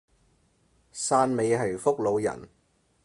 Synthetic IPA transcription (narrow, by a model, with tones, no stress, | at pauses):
saː˧nme˨˧jɦɐ˨jfʊ˥k̚lo˨˧wjɐ̰˨˩n